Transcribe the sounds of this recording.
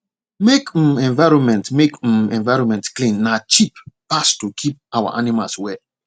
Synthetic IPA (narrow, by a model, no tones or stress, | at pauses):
mek̩mɛ̃nvaɪɹɔ̃nmɛ̃ntmek̩mɛ̃nvaɪɹɔ̃nmɛ̃ntklĩnːat͡ʃippastukʰip̚awa̰ʔanimalswɛ